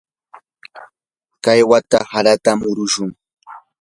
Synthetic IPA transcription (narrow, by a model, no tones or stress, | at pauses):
kajwat̪ahaɾat̪amʊɾʊʃʊŋ